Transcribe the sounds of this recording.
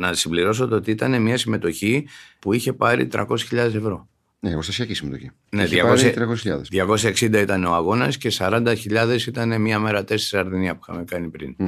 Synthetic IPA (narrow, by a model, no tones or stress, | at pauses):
nɐsimbliɾo̞s̬o̞t̪oot̪iit̪ɐne̞miɐsime̞t̪o̞çipuiçe̞pɐɾḭt̪ɾɐ̰ko̞si̥sçiʎɐðe̞se̞vɾo̞ | eɣost̪ɐsiɐcisimet̪oçi | neðʝɐkost̪ɾɐkosesçiʎɐ̰ðsðʝɐko̞ssɐeksind̪ɐit̪ɐne̞oɐɣo̞nɐsce̞sɐɾɐnd̪ɐçiʎɐðe̞sit̪ɐne̞miɐme̞ɾɐt̪e̞seɾisɐɾðeniɐpu̥ixɐ̰me̞kɐnipɾḭn